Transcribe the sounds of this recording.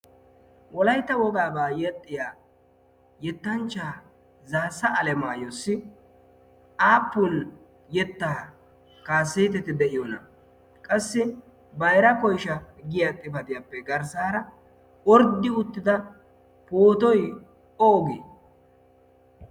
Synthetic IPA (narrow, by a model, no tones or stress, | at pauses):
wɔlɐjt̪ːɐwɔɡaːbaːjɛt̪ʼːɪjaː | jɛt̪ːɐnt͡ʃːaː | zaːsːɐɐlɛmaːjosːɪ | ʔaːpːʊl | jɛt̪ːaː | kaːsːeːt̪ɛt̪ɪd̪ɛʔɪjonɐ̰ | kʼɐsːɪ | bɐjɾɐkɔjʃɐɡɪjat̪ʼːɪbɐt̪ɪjapːɛɡɐɾsaːɾɐ | ɔɾd̪ːɪʊt̪ːɪd̪ɐ | poːt̪ɔj | oːɡḛː